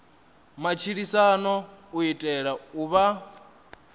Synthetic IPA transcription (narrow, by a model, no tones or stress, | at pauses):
mat͡ʃʰiɺisanɔuitʼɛɺauβa